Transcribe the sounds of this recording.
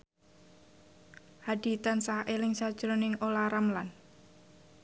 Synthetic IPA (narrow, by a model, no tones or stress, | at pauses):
had̪i̤t̪ansahʔelɪŋsad̥ʒ̥ɾonɪŋolaɾamlan